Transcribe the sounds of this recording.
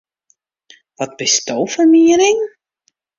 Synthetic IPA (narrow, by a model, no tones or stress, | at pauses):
ʋɔt̚bɪstowfərmiəɾɪŋ